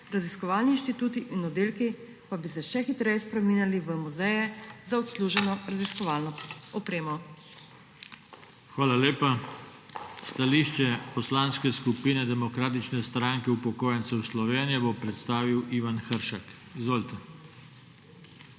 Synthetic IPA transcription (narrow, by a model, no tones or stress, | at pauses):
ɾaziskɔʋaːlninʃt̪it̪uːt̪iʔinɔd̪eːlki | pabisɛʃɛxit̪ɾɛjɛspɾɛmiːnjaliʋəmuzɛjɛzaɔt̪sluːʒɛnɔɾaziskɔʋaːlnɔɔpɾeːmɔ | xʋaːlaleːpa | st̪aliʃt͡ʃɛpɔslanskɛskupinɛd̪ɛmɔkɾaːt̪̬it͡ʃnɛst̪ɾaŋkɛupɔkoːjɛnt̪sɛwslɔʋeːnijɛbopɾɛt̪st̪aːʋiwiːʋanxəɾʃak | izʋoːlit̪ɛ